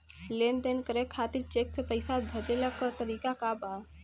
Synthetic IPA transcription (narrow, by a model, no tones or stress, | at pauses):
lend̪enkəɾekʰːat̪iɾt͡ʃek̚t̪ʰpəɪsabʱəd͡ʒeləkːət̪əɾikakaba